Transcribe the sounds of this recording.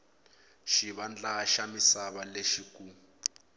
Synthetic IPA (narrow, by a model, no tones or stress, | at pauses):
ʃiβand͡ɮaʃamisaβaleʃikuː